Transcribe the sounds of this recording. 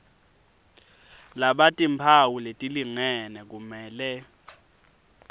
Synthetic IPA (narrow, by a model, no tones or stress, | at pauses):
laɓatʼimpʰawuletʼiliŋɛnɛk̬umɛːlɛ